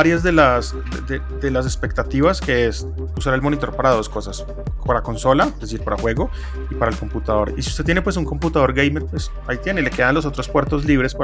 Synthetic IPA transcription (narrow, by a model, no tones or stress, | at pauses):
aɾjazd̪elas | d̪d̪e | d̪e̞las̬e̞spe̞k̚t̪at̪iβaske̞es | usaɾe̞lmo̞nit̪o̞ɾpaɾað̞o̞sko̞sas | paɾako̞nso̞laeezesiɾpaɾaxwe̞ɣo̞ | ipaɾaelko̞mput̪aðo̞ɾisiust̪e̞t̪jene̞pwe̞s̬uŋko̞mput̪að̞o̞ɾɡejmeɾpwe̞s | ait̪je̞ne̞le̞ke̞ðanlo̞s̬o̞t̪ɾospwe̞ɾt̪o̞zliβɾe̞spa